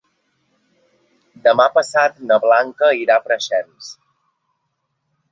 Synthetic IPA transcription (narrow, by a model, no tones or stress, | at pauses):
d̪əmapəsat̪nəβlaŋkəiɾapɾəʃɛms